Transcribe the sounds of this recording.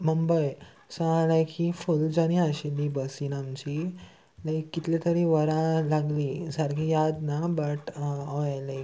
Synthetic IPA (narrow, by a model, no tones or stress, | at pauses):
məmbəj | sə̃alajkʰifuld͡ʑaɽ̃ĩaɕilːibəsinamt͡ɕi | ləkːit̪let̪əɾĩʋəɾãlaɡlisaɾkʰijad̪nabəʈəjle